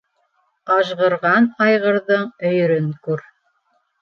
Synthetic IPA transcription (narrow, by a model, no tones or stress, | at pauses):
ɑʃʁɤ̆ɾʁɑnɑjʁɤ̆ɾðɤɴɵ̆j̆ɾɵŋkʉɾ